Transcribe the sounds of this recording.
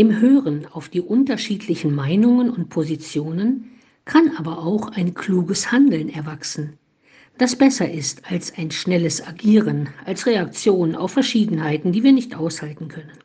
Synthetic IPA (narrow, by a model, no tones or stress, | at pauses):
ʔɪmɦøːʁənaʊfd̥iːʔʊntɐʃiːtʰlɪçn̩maɪnʊŋənʊnt̚pʰozit͡sjoːnən | kʰanʔaːbɐʔaʊxaɪnkʰl̥uːɡəshandl̩nɛɐvaksn̩ | d̥asb̥ɛsɐʔɪstalsaɪnʃnɛləsaɡiːʁənʔalsʁeak̚t͡sjoːnəna̰ʊfɛɐʃiːdn̩haɪtn̩diːviːɐnɪçtʔaʊshaltn̩kʰœnən